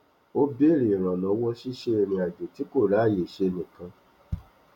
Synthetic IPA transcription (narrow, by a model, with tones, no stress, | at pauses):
o˦be˦˨ɾi˨ɾ̃ã˨nɔ̃˨˦wɔ˦ʃi˦ʃe˧e˧ɾ̃ĩ˧a˨d͡ʒe˨ti˨˦ko˦˨ɾa˨˦˨je˨ʃe˧nĩ˨kã˧